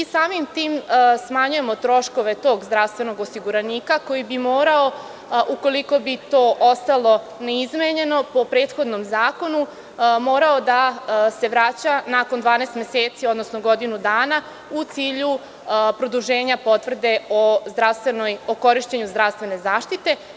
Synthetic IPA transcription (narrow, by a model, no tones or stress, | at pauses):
isaːmimt̪iːmsmaɲuje̞mo̞t̪ɾo̞ʃko̞ʋe̞t̪o̞ːɡzd̪ɾaʋst̪ʋe̞no̞ɡosiɡuɾaniːkako̞jibimoːɾao | ʔuko̞liko̞bit̪o̞ːʔost̪alˠo̞ | neizmeɲe̞no̞po̞pɾeːt̪xo̞d̪nomzaːko̞nu | mo̞ːɾao̞d̪ase̞ʋɾat͡ɕanako̞nd̪ʋaːnest̪mʲeseːt̪siod̪nosnoɡo̞d̪inud̪aːna | ut̪siːʎu | pɾo̞d̪uʒe̞ːɲapo̞t̪ʋr̩d̪e̞ozd̪ɾaʋst̪ʋenojoko̞ɾiʃt͡ɕeɲuzd̪ɾaʋst̪ʋe̞ne̞zaːʃt̪it̪e̞